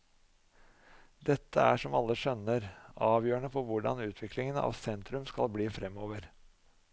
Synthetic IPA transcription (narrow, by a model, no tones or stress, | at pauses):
d̪ɛt̪ʰːəæ̰ʂɔmɑlːəʂœnəɾɑːʋjøːəɳəfɔʋʊɖɑ̰nʉːt̪ʰʋɪklɪŋənɑ̰ːʋsɛnt̪ɾʉmskɑlbliːfɾɛmːoːʋəɾ